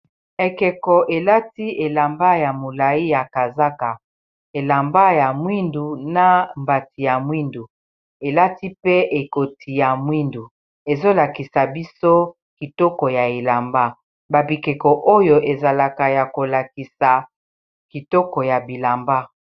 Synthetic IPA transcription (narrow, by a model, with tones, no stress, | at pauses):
e˨kɛ˨kɔ˨ʔe˨la˦ti˦ʔe˨la˨mba˦ja˨mo˨la˨i˦ja˨ka˨za˦ka˨ | e˨la˨mba˦ja˨mwi˦ndu˨na˦mba˨ti˨ja˨mwi˦ndu˨ | e˨la˦ti˦pe˦ʔe˨ko˨ti˨ja˨mwi˦ndu˨ | e˨zo˦la˨ki˨sa˨bi˦so˦ | ki˨tɔ˦kɔ˨ja˨e˨la˨mba˦ | ba˨bi˨kɛ˨kɔ˨ʔo˦jo˨ʔe˨za˨la˨ka˨ja˨ko˨la˨ki˨sa˨ | ki˨tɔ˦kɔ˨ja˨bi˨la˨mba˦